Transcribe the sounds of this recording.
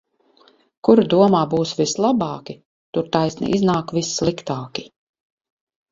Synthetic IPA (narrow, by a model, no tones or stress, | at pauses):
kuɾad̪uɔmaːbuːsvislˠabaːkʲi | t̪uɾt̪ajsnḭʔiznaːkvisːlˠikt̪aːkʲi